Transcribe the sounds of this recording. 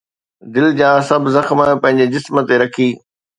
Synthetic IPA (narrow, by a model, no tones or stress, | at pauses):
d̪ɪld͡ʑãːsɐbʱzɐxmpɐ̃ɦɪ̃ɲd͡ʑed͡ʑɪsmət̪eɾɐkʰiː